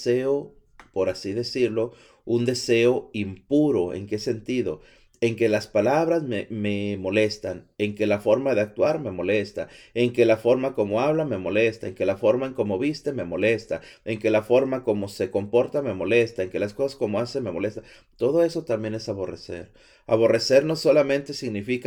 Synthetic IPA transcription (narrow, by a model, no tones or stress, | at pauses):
eo | po̞ɾasiðe̞siɾlo̞ | und̪e̞se̞o̞impuɾo̞e̞̰ŋke̞se̞nt̪iðo̞̰ | e̞ŋke̞laspalaβɾazmeme̞mo̞le̞st̪aneŋke̞lafo̞ɾmaðe̞ak̚t̪waɾme̞mo̞le̞st̪aeŋke̞lafo̞ɾmakomo̞aβlame̞mo̞le̞st̪aeŋke̞lafo̞ɾmaeŋko̞mo̞βist̪e̞me̞mo̞le̞st̪ae̞ŋke̞lafo̞ɾmako̞mo̞se̞ko̞mpo̞ɾt̪ame̞mo̞le̞st̪aeŋke̞lasko̞sḁsko̞mo̞aseme̞mole̞st̪a | t̪o̞ðo̞e̞so̞t̪ambje̞ne̞saβo̞re̞̰se̞̰ɾ | a̰β̞o̞re̞se̞ɾno̞so̞lamẽ̞nt̪e̞siɣnifik